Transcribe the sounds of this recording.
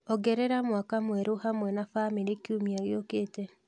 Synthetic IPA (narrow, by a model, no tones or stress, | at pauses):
ɔɡɛɾɛɾamwakamwɛɾohamwɛnafameɾekiumiaɣeokeːtɛ